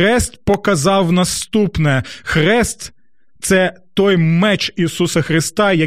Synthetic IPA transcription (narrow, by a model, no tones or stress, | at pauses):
ɛst̪pɔkɐzɑwnɐst̪upnɛxɾɛst̪ | t̪sɛt̪ɔjmɛt͡ʃisusɐxɾɪst̪ɑjɐ